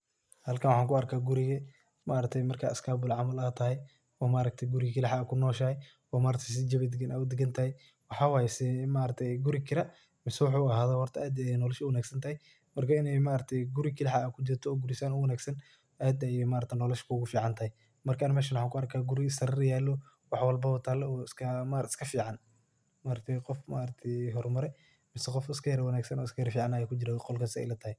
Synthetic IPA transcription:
hɐlkʰɐnwɑħaːŋkʊɐrkʰaːɡʊɾɪɣɐ | maːɾɐt̪ʰɛjmɐrkʰaːɪskʰaːbʊlʕɑmɐlaːt̪ʰɐɦɛj | ɔːmaːɾɐɡ̚t̪ʰɛɡʊɾɪɣkʰɪlɪħakʰʊnɔːʃɐhɛ | ɔːmaːɾɐkt̪ʰɐjs̬ɪd͡ʒɐβɛd̪ɪɡɐnʔaːʊd̪ɪɡɐnt̪ʰɐhɛj | wɑħɑːwaːjɛsɛmaːɾɐt̪ʰɛɡʊɾɪkʰɪɾɐ | mɪsɛwħuɐɦaːðɔːhɔrt̪ʰɐʔaːd̪ɛnɔːlɛʃʊwɐnaːɡsɐnt̪ʰɐhɛj | mɐrkʰɐɪnɛjmaːɾɐk̚t̪ʰɛjɡʊɾɪkʰɪlħaːkʰʊd͡ʒɪrt̪ʰɔːɡʊɾɪsanʊwɐnaːɡsɐn | ʔaːd̪ɛmaːɾɐt̪ʰɛnɔːlɐʃkʰʊːɣʊfiːʕɑnt̪ʰɐhɛj | mɐrkʰanɐmɛːʃɐnwʊħaːŋkʰʊɐrkʰaːɡʊɾɪsɐɾɪrjaːlɔ | wɑħwɐlbɐɔt̪ʰaːlɛɔːɪskʰɐmaɾɪ̥skʰɐfiːʕɑn | maːɾɐt̪ʰɛjqɔfma̰ːɾɐt̪ʰɛjɦɔrmɐɾɛ | mɪsɛqɔfɪskʰɐjɾwɐnaːɡsɐnɔːɪskʰɐjɾfiːʕɑnaːjaːkʰʊd͡ʒɪɾaqɔlkʰɐsɛ̰jlɐt̪ʰɐhɛ

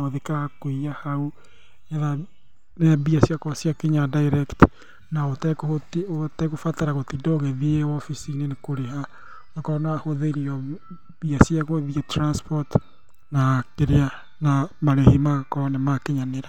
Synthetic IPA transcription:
oðekakoiahau | aða | nebiasjakɔsjakeɲadaiɾɛkt | naotkototɛkofataɾaɣotidɔɣeðieɔfisinenekoɾeɦa | nakɔnoahoðeɾiɔ | biasjaɣoðiɛtɾanspɔt | nakeɾea | namaɾehimakɔnɛmakeɲaneɾa

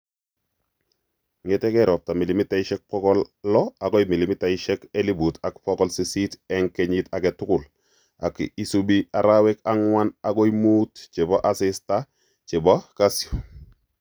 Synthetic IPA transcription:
ŋetekeɾɔp̚tamilimitaiʃɛk̚pɔkɔllɔakoimilimitaiʃekelibutakpɔkɔlsesiteŋkeɲitaketukul | akisubiaɾawekaŋwanakoimuːtt͡ʃeboʔasista | t͡ʃebokasjo

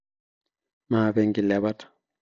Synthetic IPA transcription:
maːbɛŋɡilɛbatḁ

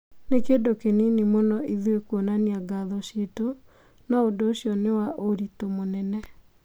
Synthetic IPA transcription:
nekedokeninimonɔiðwekwonaniaɡaðɔɕeto | naodoːɕjɔnewaʔoɾitomonɛnɛ

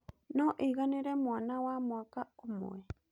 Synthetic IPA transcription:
nõʔiɣanĩɾemũanãwamũakaomõ̰e

